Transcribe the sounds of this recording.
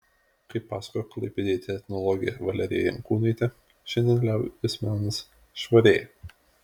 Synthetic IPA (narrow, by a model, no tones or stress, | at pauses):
kɐɪpːɑːsɐ̥kojklˠɐɪpʲed̪ʲeːt̪ʲɛxʲnɔlˠɔɡʲɪjɛʋɐlʲɛɾʲɪ̰jɛjɛ̰ŋkuːnɐɪt̪ʲɛ | ʃʲɛnʲd̪ʲɛnlʲæʊɪsʲmʲæːnɐs | ʃʋɐɾʲeːjɛ